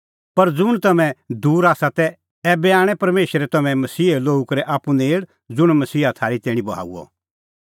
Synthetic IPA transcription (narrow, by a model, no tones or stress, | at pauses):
pɐɾd͡zʊɽ̃t̪ɐmɛ̃d̪uːɾaːsat̪ɛ | ɛbɛaːɽ̃ɛpɐɾmeːʃɾɛt̪ɐmɛ̃mɐsiːloːukɐɾɛʔaːpuneːɽ | d͡zʊɽ̃mɐsiːat̪ʰaːɾit̪ɛːɽ̃ĩbɐɦa̰ːṵɔ̰